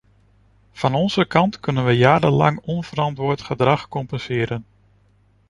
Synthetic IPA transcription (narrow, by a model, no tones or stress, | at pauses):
v̥ɑnɔnzəkɑntkɵnənʋəjaːdənlɑ̰ŋɔnv̥əɾɑntʋʊːtχədrɑχkɔmpənsɪəɾən